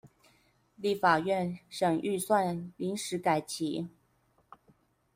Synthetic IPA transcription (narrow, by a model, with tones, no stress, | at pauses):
li˥˩fa˨˩ɥɛ˥˩nʂɤ˨˩ŋʔy˥˧swa˥˩nli˧˥nʂɻ̩˧˥ka˨˩ɪt͡ɕʰi˨˥˦